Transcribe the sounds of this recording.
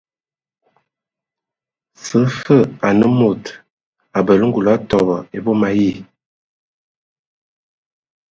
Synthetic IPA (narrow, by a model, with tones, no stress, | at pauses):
sə˨˦fə˦˨a˨nə˦mo˨t | a˨bə˨lə˦ŋ˦ɡu˨la˨˦tɔ˨bɔ˨e˨bo˦ma˨ji˦˨